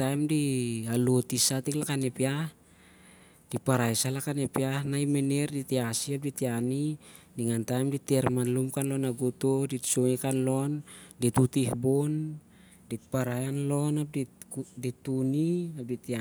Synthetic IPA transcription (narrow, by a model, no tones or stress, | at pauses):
tajmdialotisatiklakanepiah | d̥ipaɾajsalakanepiahnajmene̞ɾditiasiap̚ditiani | niŋantajmditeɾmanlumkanlonaɡutoditsoekanlo̞nditutihbon | dipaɾajanlo̞nap̚didituniap̚ditia